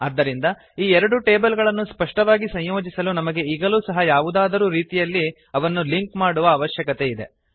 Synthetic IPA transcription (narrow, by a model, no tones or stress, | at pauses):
ɐd̪ːɐɾind̪ɐ | iːɛɾɐɽuʈe̞ːbɐlɡɐɭɐnːuspɐʂʈɐʋaːɡisɐɲjo̞ːd͡ʒisɐlunɐmɐɡe̞iɡɐluːsɐɦɐjaːʋud̪aːd̪ɐɾuːɾiːt̪ijɐlːi | ɐʋɐnːuliŋkmaːɽuʋɐːʋɐʃjɐkɐt̪e̞id̪e̞̰